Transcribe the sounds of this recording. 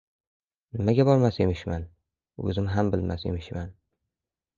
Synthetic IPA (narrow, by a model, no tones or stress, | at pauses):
nɪmaɡʲabɒɾmase̞mɪʃman | ɵ̰zɪmɦambɪlma̰se̞̰mɪʃman